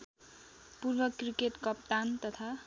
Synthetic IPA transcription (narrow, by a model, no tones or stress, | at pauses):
purbʌkrikeʈkʌp̚t̪ant̪ʌt̪ʰa